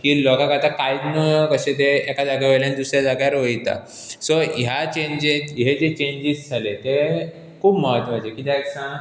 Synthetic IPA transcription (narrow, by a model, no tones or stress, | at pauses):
kiːlɔkãkat̪akajd̪nukəɕet̪̬eːkad͡zaɡaʋeljãnd̪usɾjad͡zaɡjaɾʋəjt̪a̰ | sɔjat͡ɕẽɲd͡ʑeɦed͡zet͡ɕeɲd͡ʑizd͡zʱalet̪e | kʰuːbməɦət̪ʋad͡ʑekit̪aeksã